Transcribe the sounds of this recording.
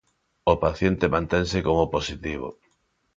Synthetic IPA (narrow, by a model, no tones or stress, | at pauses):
opaθjent̪emãnt̪eŋsɪkomoposit̪iβ̞o̰